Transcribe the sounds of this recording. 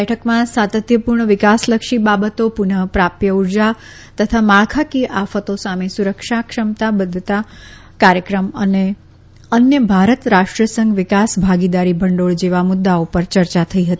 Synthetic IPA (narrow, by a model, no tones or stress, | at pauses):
ɛʈʰəkmãsat̪ət̪jəpuɾɳəʋɪkasləkʃibabət̪opunəɦpɾapjəuɾd͡ʒa | t̪ət̪ʰamaɭkʰakiʔafət̪osamesuɾəkʃakʂəmt̪abəd̪ʱt̪a | kaɾjəkɾəməne | ənjəbʱaɾət̪ɾaʂʈɾəsəŋɡʋɪkasbʱaɡid̪aɾibʱəɳɖoɭd͡ʒeʋamʊd̪ːaopəɾt͡ʃəɾt͡ʃat̪ʰəiɦət̪ii